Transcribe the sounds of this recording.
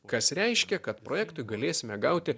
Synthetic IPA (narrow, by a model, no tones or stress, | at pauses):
kɐsɾʲɛɪʃʲkʲɛkɐt̪pɾoːjɛːkt̪ʊɪɡɐlʲeːsʲɪmʲɛɡɐʊt̪ʲɪ